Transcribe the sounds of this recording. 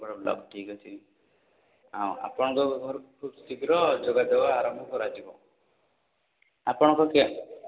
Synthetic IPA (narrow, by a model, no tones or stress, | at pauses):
bɔɽɔlɔ̰bʈʰikɔt͡ʃʰi | awa̰pɔɽ̃ɔ̃kɔɡʱɔɾkʰubst̪iɡɾɔd͡ʒoɡad̪ewaːɾɔmbʱɔkɔɾad͡ʒibɔ̰̃ | apɔɽ̃ɔ̃kɔke